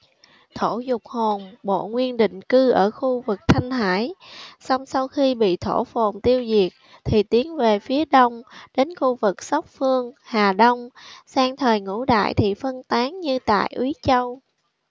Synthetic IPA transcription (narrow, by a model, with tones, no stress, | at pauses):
t̪ʰo˧˩zʊ˨˩k͡p̚ho˨˩nɓo̰˧˨ŋwi˧ənɗḭ̈˧˨ŋ̟kɨ˧ʔəː˧˩xu˧vɨ˨˩k̚t̪ʰa˧jŋ̟h̪aː˧˩jsa˧wŋ͡msa˧wxi˧ɓḭ˧˨t̪ʰo˧˩fo˨˩nt̪i˧əwzi˨˩ək̚ | t̪ʰi˨˩t̪i˨˦ənve˨˩fi˨˦əɗə˧wŋ͡mɗe˨˦nxu˧vɨ˨˩k̚sə˦˥wk͡p̚fɨ˧əŋhaː˨˩ɗə˧wŋ͡msaː˧ŋt̪ʰəː˨˩jŋṵ˧˥ɗa̰ː˧˨jt̪ʰi˨˩fə˧nt̪aː˨˦ŋɲɨ˧t̪a̰ː˧˨jʔwi˨˦t͡ɕə˧w